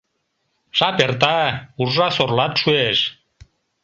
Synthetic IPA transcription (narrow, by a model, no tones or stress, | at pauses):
ʃɑpert̪̬ɑurʒɑsorlɑt̪ʃueʃ